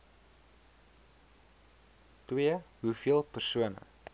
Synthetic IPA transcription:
twiəɦufiəlˠpərsuənə̰

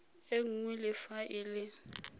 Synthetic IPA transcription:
eŋ̩ŋwilɪfaʔɪlɪ

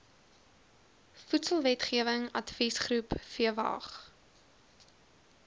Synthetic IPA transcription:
futsəlˠvɛtχiəvəŋɐtfisχrupfiəvɑ̰ːχ

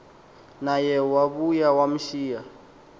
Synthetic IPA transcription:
najɛwaβujawam̩ʃiːja

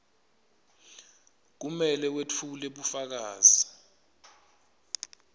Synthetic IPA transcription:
k̬umɛlɛwet͡fʰuleɓufak̬aːzi

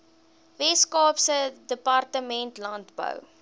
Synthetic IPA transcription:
vɛskɑːpsədəpɑrtəmɛntlɐntbə̰w

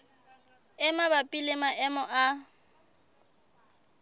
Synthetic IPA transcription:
ɛmabapʼilemaʔɛmɔʔa

